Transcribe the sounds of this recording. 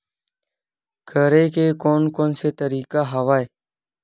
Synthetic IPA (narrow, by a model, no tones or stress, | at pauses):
kʰəɾeːkeːkoːnkoːnseːt̪əɾiːkaːɦaʋaːeː